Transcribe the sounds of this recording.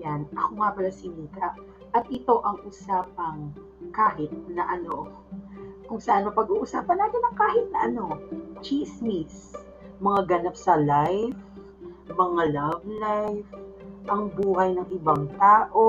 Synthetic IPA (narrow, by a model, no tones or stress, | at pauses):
janʔɐkomapɐlɐsɪniːkɐʔ | ʔɐt̪̚ʔɪt̪o̞ʔɐŋʔusaːpɐŋ | kaːhɪt̪̚nɐʔɐno̞ | kʊŋsɐʔanopɐɡuːʔʊsaːpɐnːaːt̪ɪnɐŋkaːhɪt̪̚nɐʔɐno̞t͡ʃismis | mɐŋaɡɐnapsɐlajf | mɐŋalɐvlajfʔɐŋbuːɦɐjnɐŋɪbaŋt̪aːʔo